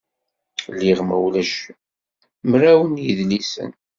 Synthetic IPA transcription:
lːiʁmæwlæʃ | mɾæwənjəðlisə̰n

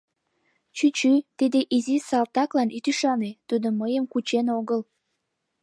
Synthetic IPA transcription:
t͡ɕyt͡ɕyt̪id̪eʔizisɑlt̪ɑklɑnyt̪yʃɑnet̪ud̪oməjəmkut͡ɕenoɣəl

